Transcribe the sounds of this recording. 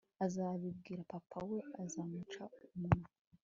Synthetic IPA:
azaβib̚ɡiːɾapapʰaweazamut͡ʃaumunu

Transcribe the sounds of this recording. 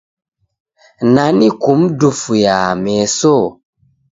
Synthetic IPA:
nanikumdufujamɛso

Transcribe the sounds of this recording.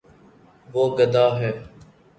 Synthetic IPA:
ʋoːɡəd̪aːɦɛː

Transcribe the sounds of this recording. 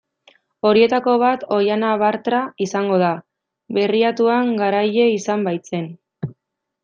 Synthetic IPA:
o̞ɾie̞t̪ako̞β̞at̪o̞janaβaɾt̪ɾaisaŋɡo̞ða | βe̞riat̪uaŋɡaɾaje̞isambajt͡se̞n

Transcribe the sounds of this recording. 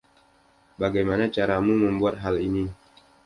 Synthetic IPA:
baɡajmanat͡ʃaɾamuməmbuat̪̚ɦalini

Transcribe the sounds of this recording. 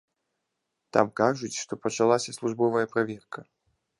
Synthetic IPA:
t̪a̰mkaʐɨtʲʂt̪opət͡ʃɐlˠasʲɐslˠuʐbovəjəpɾɐvʲerkə

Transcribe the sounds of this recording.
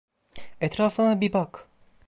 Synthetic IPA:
ɛt̪ɾaːfɯnabibak

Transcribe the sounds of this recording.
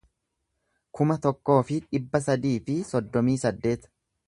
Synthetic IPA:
kʊmɐt̪ɔkːo̞ːfɪᶑɪbːɐsɐd̪iːfɪsɔd̪ːɔmiːsɐd̪ːe̞ːt̪

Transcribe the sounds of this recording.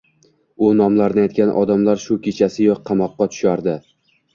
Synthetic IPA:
ʊnɒmlaɾnɪajt̪̚kʲanʔɒ̰d̪amlaɾʃʊkʲʰet͡ʃʰasɪjɒq̚qʰːɑmɒqːɑt̪ʰʊ̥ʃaɾd̪ɪ

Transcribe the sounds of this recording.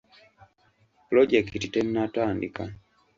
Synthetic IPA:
plɔd͡ʒɛktitɛninatwaːndika

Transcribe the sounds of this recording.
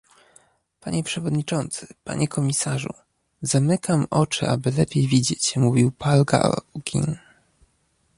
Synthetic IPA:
paɲɛpʂɛvɔd̪ɲit͡ʂɔnt̪sɘ̥pa̰ɲɛkɔmʲisaʐṵ | zamɘkamɔt͡ʂɘ̰ʔa̰bɘlɛpʲjejvʲid͡ʑet͡ɕmuvʲiwpalɡa̰ɡʲḭn

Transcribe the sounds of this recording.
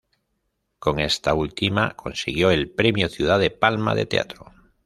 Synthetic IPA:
ko̞ŋe̞st̪ault̪ima̰kʰo̞nsiɣ̞jo̞e̞lpɾe̞mjoθjuð̞aðe̞palma̰ðe̞̰t̪e̞̰a̰t̪ɾo

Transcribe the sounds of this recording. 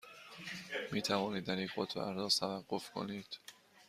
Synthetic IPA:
miːt̪ʰævɒːniːd̪̚ːæɾiːo̰t̪ʰæ̰ɾzɒːzt̪ʰævæɢːofkʰo̰niːd̪̥

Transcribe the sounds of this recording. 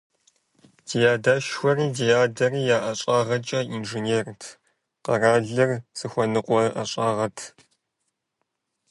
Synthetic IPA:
dijaːdaːʃxʷɔriːdijaːdɐriːjaːʔɐɕʼaːʁɐt͡ʃʼɐinʒɨneːrtʰ | qɐraːɮɐrz̥ɨxʷɔnɨqʷʼɔʔɐ̰ɕʼaːʁɐtʰ

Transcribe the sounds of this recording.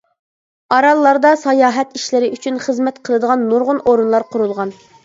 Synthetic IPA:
ɑɾɑlˠːɑɾd̪ɑsɑjɑːɦɛt̪iʃlɪɾɪʔyt͡ʃʰynχəzmɛt̪qʰəlˠɨd̪əʁɑnːuɾʁʊnoɾɨnlˠɑɾqʰʊɾulˠʁɑn

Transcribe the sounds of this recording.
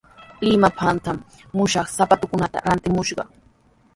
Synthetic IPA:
lɪmapʰant̪amː | ʊʃɑχsapat̪ʊkʊnat̪a̰ɾant̪ɪmʊʃɢɑ̰

